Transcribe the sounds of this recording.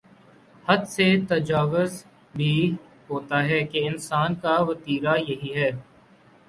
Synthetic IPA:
hɐd̪set̪ɐd͡ʒaːʋəz | bʱi | ɦoːt̪aɦɛːkeɪnsaːnkaʋɐt̪iːɾajɐɦiɦɛː

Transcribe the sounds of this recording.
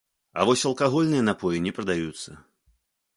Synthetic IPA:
ɐ̰vɔsʲɐlˠkaɣɔlʲnɨjɐnapɔjinʲɛpɾɐd̪ajut̪sːɐ

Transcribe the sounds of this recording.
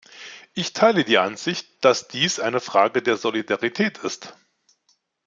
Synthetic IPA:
ʔɪçtʰaɪlədiːʔanz̥ɪçt̚d̥asd̥iːsʔaɪnəfʁ̥aːɡədeːɐzolidaʁitʰɛːtʰɪst

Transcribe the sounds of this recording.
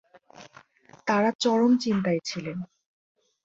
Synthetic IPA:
t̪aɾat͡ɕɔɽont͡ɕint̪aet͡ɕʰilen

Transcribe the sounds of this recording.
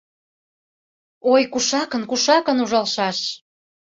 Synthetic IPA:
ojkuʃɑkənkuʃɑkənuʒɑlʃɑʃ

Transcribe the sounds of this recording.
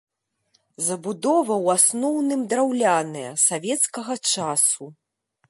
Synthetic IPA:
zɐbud̪ɔvɐwasnɔwnɨmd̪ɾawlʲanɨjɐsavʲɛt̪skɐɣɐt͡ʂasu

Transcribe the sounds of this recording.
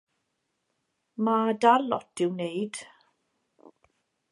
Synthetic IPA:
madalɔ̰tɪwneɨd̥

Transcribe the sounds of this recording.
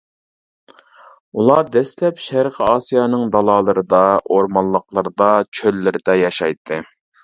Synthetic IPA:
ulˠɑd̪ɛslɛpʃæɾqʰəɑsijɑnɨŋd̪ɑlˠɑːlˠəɾɨd̪ɑoɾmɑnlˠːəqlˠəɾd̪ɑt͡ʃʰølːɪɾɪd̪ɛjɑʃɑjt̪ʰːɨ

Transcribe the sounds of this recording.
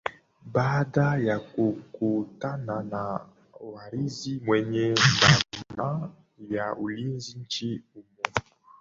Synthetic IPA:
badajakokotanana | waɾizimwɛɲɛmbama | jaolinzint͡ʃeumɔ

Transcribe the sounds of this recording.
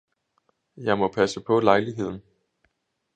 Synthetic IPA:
jɑ̈ɪmɒ̽pʰæsəpʰɒ̽lɑ̈ɪliɦe̝ð̞̰ˠn̩

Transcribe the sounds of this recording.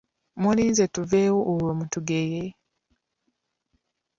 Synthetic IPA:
muliːnzetuveːwoʔːwomutuɡeje

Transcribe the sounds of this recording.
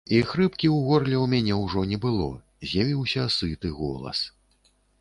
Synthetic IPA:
ixɾɨpkʲiwɣɔrlʲɛwmʲanʲɛwʐɔnʲɛbɨlˠɔ̰ | zʲjavʲiwsʲɐsɨt̪ɨɣɔ̰lˠɐ̰s

